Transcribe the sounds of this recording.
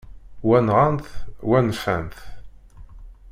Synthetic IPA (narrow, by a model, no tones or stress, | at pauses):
wænʁanθwænfæ̰nθ